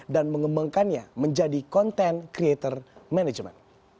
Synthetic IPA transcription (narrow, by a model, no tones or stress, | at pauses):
danməŋəmbaŋkanɲaməɲd͡ʒadikɔnt̪ɛnkɾiet̪ərmɛnɛd͡ʒmɛ̰n